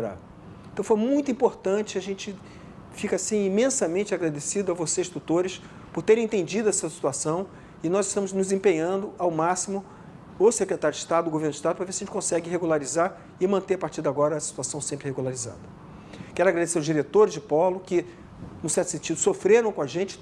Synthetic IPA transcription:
ɾa̰ | ẽt̪ɐ̃w̃fojmũj̃t̪uĩpoɾt̪ɐ̃t͡ʃɪaʒẽnt͡ʃɪ | fikɐasĩimẽsɐmẽnt͡ʃɪaɡɾad̪esid̪ʊɐvosest̪ut̪oɾɪs | pʊɾt̪eɾẽẽt̪ẽd͡ʒid̪ʊɛsɐsi̥t̪uasɐ̃w̃ | ɪnɔzɪʃt̪ɐ̃mʊznʊzzẽpẽɲɐ̃nd̪ʊawmasimʊ | ʊsekɾet̪aɾjʊdɪʃt̪ad̪ʊːɡoveɾnʊd͡ʒɪiʃt̪ad̪ʊpɾɐvesjɐʒẽt͡ʃɪkõsɛɡɪɦeɡulaɾizaɾ | ɪmɐ̃nt̪eɾaɐpaɾt͡ʃiɾd̪aɡɔɾɐːsi̥t̪uasɐ̃w̃sẽmpɾɪheɡulaɾiza̰d̪ɐ | kɛɾʊaɡɾad̪eseɾɐʊzd͡ʒiɾet̪oɾɪzd͡ʒɪpɔlʊkɪ | nʊsɛɾt̪ʊ̥sẽnt͡ʃid̪ʊsofɾeɾɐ̃w̃kõaʒẽnt͡ʃɪ̥

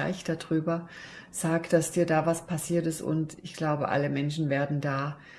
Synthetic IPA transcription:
a̰ɪçd̥adʁyːbɐ | z̥aːkd̥asd̥iːɐdaːvaspʰasiːɐtɪstʊ̰ntɪçɡ̥laʊbəʔa̰ləmɛnʃn̩veːɐdn̩daː

